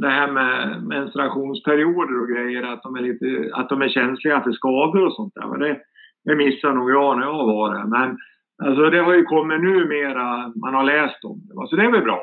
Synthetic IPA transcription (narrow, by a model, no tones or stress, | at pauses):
d̪ɛɦæːɾmɛmɛnst̪ɾaɧuːnspʰæɾɪuːd̪əɾɔɡɾɛjːəɾat̪̚d̪ɔmæɭiːt̪əa̰t̪̚d̪ɔmæɾɕɛnslɪɡafœʂkɑːd̪ʊɾɔsɔnt̪̚d̪æ̰ːɾva̰d̪ɛ | d̪ɛmɪsːaɳuːɡjɑːnæjɑːvɑːɾɛmɛn | als̬ɔd̪ɛɦaɾjɵkʰɔmːɪt̪nʉ̟ːmeːɾamanhaɾɭɛːst̪ɔmd̪ɛa̰sɔd̪ɛæɾvɛlbɾɑ̰ː